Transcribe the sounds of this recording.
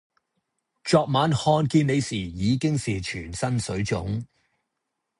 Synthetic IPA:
t͡ʃɔː˨˧k̚maː˨˧˥nhɔː˧nkiː˧ne˨˧jsiː˨˩jiː˨˧kɪ˥ŋsiː˨t͡ʃʰyː˨˩nsɐ˥nsɵ˨˥ɥt͡sʊ̰˨˥ŋ

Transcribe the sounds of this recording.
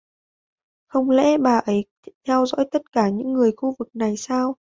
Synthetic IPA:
xə˧wŋ͡mlɛ̰˧˥ɓaː˨˩ʔə˨˦j | t̪ʰɛ˧wzɔ̰˧˥jt̪ə˦˥t̚kaː˧˩ɲɨ̰˧˥ŋːɨ˨˩əjxu˧vɨ˨˩k̚na˨˩jsaː˧w

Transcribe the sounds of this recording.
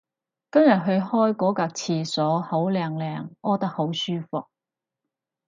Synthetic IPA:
kɐ˥mjɐ˨t̚ɦɵ˧ɥhɔː˥jkɔː˨˥kaː˧k̚t͡sʰiː˧sɔː˨˥ho˨˥wlɛː˧ŋlɛː˧ŋʔɔː˥t̪ɐ˥k̚ho˨˥wsyː˥fʊ˨k̚

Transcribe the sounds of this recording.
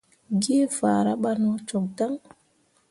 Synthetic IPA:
ɡe˦faː˨ɾa˦ɓa˦nɔ˦t͡ʃɔ˨k̚ta˦ŋ

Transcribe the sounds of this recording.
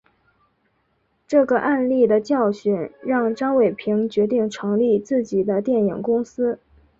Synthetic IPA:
ʈ͡ʂɤ˥˩ɡə˩ʔa˥˧nli˥˩d̪ə˩t͡ɕjɑ˥˩ʊɕɛ˨˩nɻɑ˥˧ŋʈ͡ʂɑ˥ŋwe˨˩ɪpʰi˧˥ŋt͡ɕɥɛ˧˥t̪i˥˩ŋʈ͡ʂʰɤ˧˥ŋli˥˧t͡sɹ̩˥˩t͡ɕi˨˩d̪ə˦t̪jɛ˥˩nji˨˩ŋkʊ˥ŋsɹ̩˥

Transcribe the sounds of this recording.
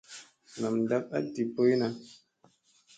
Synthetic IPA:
na˨mn̩˨da˦p̚a̰˦ti˨po˦i˦na˦

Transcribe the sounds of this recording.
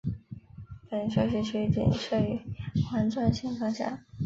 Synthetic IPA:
pə˨˩nʂɤ˥ʂ̬i˥t͡ɕʰy˧˥t͡ɕḭ˨˩nʂɤ˥˩y˧˥xwa˧˥nʈ͡ʂwa˥˩nt͡ɕʰi˧˥ŋkʰɑ˥˧ŋɕja̰˥˩

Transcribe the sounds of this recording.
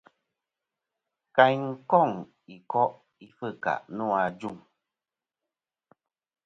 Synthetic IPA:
ka˨˦ɲŋ̩˦kɔ˦˨ŋ | i˨kɔ˦ʔ | i˦fɨ˦˨ka̰˨ʔnu˦˨a˨d͡ʒu˦˨ŋ

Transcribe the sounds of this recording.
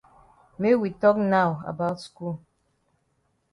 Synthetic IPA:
me˦wi˨tɔ˦k̚na˦wa̰˨ba˦ʊtsku˦l

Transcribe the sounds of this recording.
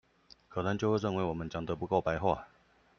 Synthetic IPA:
kʰɤ˨˩nɤ˧˦ŋt͡ɕjo˥˧ʊxwe˥˧ɻə˥˨nwe˧˥wɔ˨˩mə˦nt͡ɕjɑ˨˩ŋd̪ə˦pu˧˥ko˥˩ʊpa˧˥ɪxwa˥˩

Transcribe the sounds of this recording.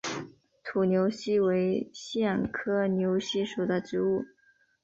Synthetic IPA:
t̪ʰu˨˩njo˧˥ʊɕi˥we˧˥ɪɕjɛ˥˩nkʰɤ˥njo˧˥ʊɕi˥ʂu˨˩d̪ə˦ʈ͡ʂɻ̩˧˥u˥˩

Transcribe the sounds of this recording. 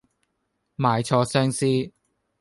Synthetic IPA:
maː˨˧jt͡sʰɔː˧sœː˥ŋsiː˥

